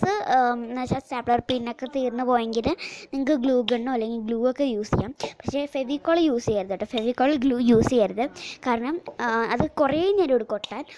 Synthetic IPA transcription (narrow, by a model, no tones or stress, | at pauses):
sɨnɐkʂaːsaːpɭɐrpinːokːe̞t̪iːrnːɨpo̞ːjeŋɡilniŋɐkːɨɡɭuːɡɐɳɖoːɐlːeŋɡilɡluːokːe̞juːsikʲːaːmpɐ̥kʂe̞ːfeʋikːoːɭjuːsijajiɾuðɐʈːɨfeʋikːoːɭɡluːjuːsijajɾuðɨkaːɾɐɳɐmɐðɨkureneɾoːɽukːoʈːaːn